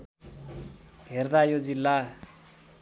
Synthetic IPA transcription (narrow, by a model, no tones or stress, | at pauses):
ɦerd̪ajod͡zilːa